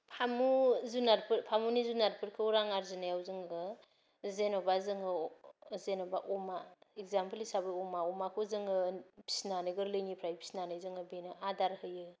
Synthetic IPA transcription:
pʰamuzunaɾpʰɯɾpʰamunizunaɾpʰɯɾkʰɯuɾaŋaɾzɯnajawzɯŋɡɯ | zenobazɯŋɯzenobaʔɔmaekzampʰlisabɯɔmaɔmakʰozɯŋɯpʰi̥snanɯjɡɯɾlɯjnipʰɾajpʰi̥snanɯjzɯŋɯbenɯadaɾhɯjɯ

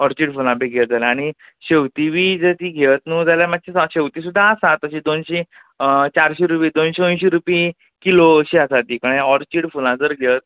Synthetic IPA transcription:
ɔɾt͡ɕiːɽfulãpeɡʱed͡zalaaɽ̃i | ɕewt̪iʋiːd͡zət̪iːɡʱet̪nũːd͡zaljamat͡ɕasaɕewt̪isud̪ʱːaːsat̪ːəɕiːd̪onɕe | t͡ɕaɾɕiɾupiːd̪onɕeonɕiɾupi | kiloəɕiəsat̪iːkəɽ̃jaɔɾt͡ɕiːɽfulãd͡zəɾɡʱet̪̚

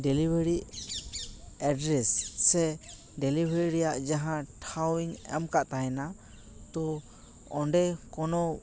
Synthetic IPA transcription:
ɖɛlibeɾi | ɛɖɾɛssɛ | ɖɛlibeɾiɾɛjaʔd͡ʒaɦãʈʰawiɲɛ̰mkaʔt̪aɦɛna | t̪ɔ | ɔɳɖɛkɔnɔ

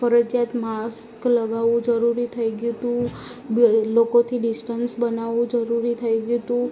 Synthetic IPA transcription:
fəɾəd͡ʒjat̪mas | kləɡaʋũd͡ʒəɾuɾit̪ʰəjɡjut̪ũ | lokot̪ʰiɖɪsʈənsbənaʋũd͡ʒəɾuɾit̪ʰəjɡjut̪ũ

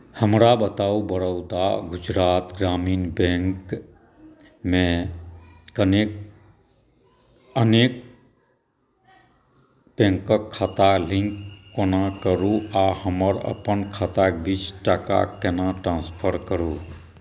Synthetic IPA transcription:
həmɾabət̪aubəɽəʊt̪a̰ɡʊd͡ʒɾaːt̪ɡɾamiːnbẽŋk | mẽ | ənek | ənek̚ | bẽŋkəkʰːat̪alĩŋkːonakəɾuahəməɾə̰pənkʰat̪akbʱit͡ʃʈaka̰kɛnaʈɾãspʰəɾkəɾu

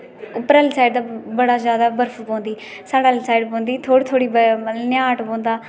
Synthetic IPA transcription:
ʊpɾəlsaːɪɖd̪aːbəɽaːzjaːd̪aːbəɾfʰpõːnd̪iː | saːɽalsaːɪɖpõːnd̪iːt̪ʰoːɽit̪ʰoːɽiːbnɪjaːʈpõːnd̪aː

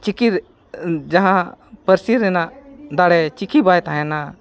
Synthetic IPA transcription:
t͡ʃikiɾ | d͡ʒaɦãpəɾsiɾɛnad̪aɽɛt͡ʃikʰibajt̪aɦɛ̃na

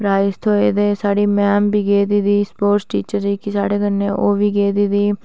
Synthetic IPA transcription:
pɾaːɪɪst̪ʰɦoːeːd̪eːsaːɽiːmɛːmbiːɡeːd̪iːd̪iːspoːɾʈsʈiːt͡ʃəɾd͡ʒiːkɪsa̰ːɽeːkənːeːʔoːʋiːɡeːd̪iːd̪iː

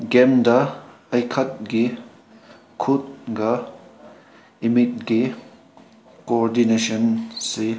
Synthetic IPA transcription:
ɡɛmdɐ | ɐjkʰɐt̚ɡi | kʰut̚ɡɐ | imit̚ɡi | koɾdinesɔnse

